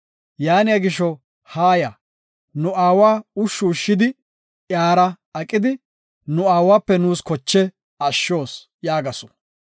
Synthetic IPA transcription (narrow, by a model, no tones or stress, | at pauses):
jaːnɪjɐɡɪʃɔ | haːjɐ | nʊʔaːwaːʊʃːuːʃːɪd̪ɪ | ʔjaːɾɐ | ɐkʼːɪd̪ɪ | nʊaːwaːpːɛnuːskɔt͡ʃːɛ | ɐʃːo̞ːs | jaːɡɐsɔ̥